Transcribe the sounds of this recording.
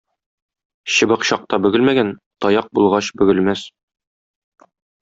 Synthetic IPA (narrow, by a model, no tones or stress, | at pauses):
ɕɤ̆bɤ̆qɕɒq̚t̪ɑbɵ̆ɡɘlmæɡænt̪ɒjɑq̚bulˠʁɑɕbɵ̆ɡɘ̆lmæs